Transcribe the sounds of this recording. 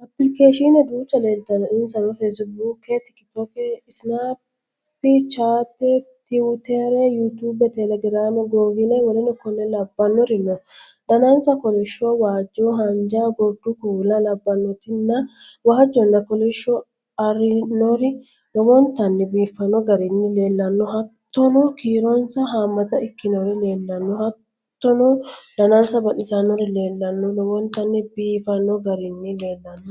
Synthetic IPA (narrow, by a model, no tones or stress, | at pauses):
ɐpːɪlɪkeːʃinɐd̪uːt͡ʃːɐleːlt̪ɐnɔɪnsɐnɔfɛsbuːkːet̪ɪkːt̪okɛɪsnaː | pːɪt͡ʃaːt̪ːet̪ɪwt̪ɛɾejut̪ubɛt̪ɛlɛɡɾaːmɛɡoːvɪnɐwɔlɛnɔkːɔnɛlɐbːɐnːɔɾɪnːɔd̪ɐnansɐkɔlɛʃowaːd͡ʒːoːɦɐnd͡ʒaːɡɔd̪̥ukuːlɐlɐbːɐnːɔt̪ɪnːɐwaːd͡ʒːɔnːɐkɔlɛʃːoː | ɐrɪnoɾɪ | lɔwɔnt̪ɐnːɪbiːfːɐnːɔɡɐɾɪnːɪle̞ːlːɐnːɔɦɐt̪ːɔnɔːkiːɾonsɐɦaːmːɐt̪ɐɪkːɪnoɾɪle̞ːlːɐnːɔhɐt̪ː | ɔnod̪̥ɐnaːnsɐbɐʔɪsanːɔɾɪle̞ːlːɐnːɔlɔwɔnt̪ɐnːɪbiːfɐnːɔɡɐɾɪnːɪleːlːɐnːɔ